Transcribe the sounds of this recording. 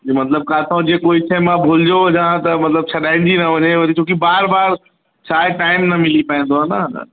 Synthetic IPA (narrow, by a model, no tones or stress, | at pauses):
mɐt̪ləb̚kaːt̪ʰãd͡ʑekoːitʰɐɦmãbʱʊld͡ʑod͡ʑãːt̪ɐmɐt̪ləb̚t͡ɕʰɐɗaːɪ̃n̆d͡ʑinɐʋɐɲeʋɐt̪it͡ʃʰõːkibaːɾbaːɾ | t͡ɕʰaːɦeʈaːɪmnɐmɪlipaĩːnd̪oɦɐna̰